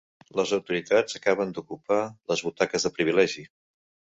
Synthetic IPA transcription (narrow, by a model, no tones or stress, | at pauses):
ləzəwt̪uɾit̪ad͡zəkaβənd̪ukupaləzβut̪akəzðəpɾiβ̞ilɛʒi